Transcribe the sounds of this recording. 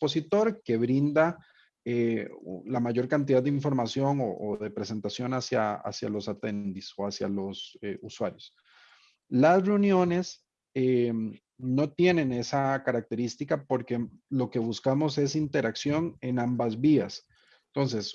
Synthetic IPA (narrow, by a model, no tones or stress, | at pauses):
po̞sit̪o̞ɾke̞βɾind̪a | elamaʝo̞ɾkant̪iðad̪d̪eiɱfo̞ɾmasjo̞ŋoʔoððe̞pɾe̞se̞nt̪asjo̞nasja̰a̰sja̰lo̞sat̪e̞nd̪iso̞asja̰lo̞seuswaɾjos | lasre̞unjo̞ne̞s | e | no̞t̪je̞ne̞ne̞sakaɾak̚t̪e̞ɾist̪ikapo̞ɾke̞lo̞ke̞βuskamo̞se̞sint̪e̞ɾaksjo̞ŋe̞nãmbazβias | ent̪o̞ns̬e̞s